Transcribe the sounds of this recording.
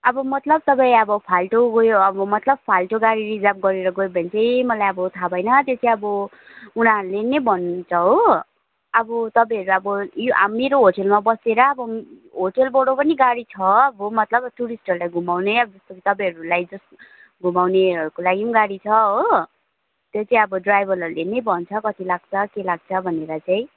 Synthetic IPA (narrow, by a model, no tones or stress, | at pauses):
ʌbʌmʌt̪lʌb̚t̪ʌpaĩʌbʌpʰalʈoɡojoʌbʌmʌt̪lʌb̚pʰalʈoɡaɽiɾid͡zap̚ɡʌɾeɾʌɡʌjbʱʌnt͡sʰʌjmʌlajʌbʌt̪ʰabʱʌjnʌt̪jet͡sʰiʌbʌ | unaɦʌɾulenebʱʌnt͡sʰʌɦo | ʌbʌt̪ʌpãɦʌɾuʌbʌjoʔa̰meɾoɦoʈelmabʌseɾʌːbʌ | ɦoʈelbʌɽopʌniɡaɽit͡sʰʌʌbomʌt̪lʌbʈuɾisʈʌɾulajɡʱumawnʌjʌbʌd͡zʌst̪okʰit̪ʌpãɦʌɾulajd͡zʌs | ɡʱumawneʌɾukolaɡimɡaɽit͡sʰʌɦo | t̪jot͡saĩʌbʌɖrajbʱʌlʌɾulenebʱʌnt͡sʰʌkʌt̪ilaɡ̚t͡sʰʌkelaɡ̚t͡sʰʌbʱʌneɾʌt͡saĩ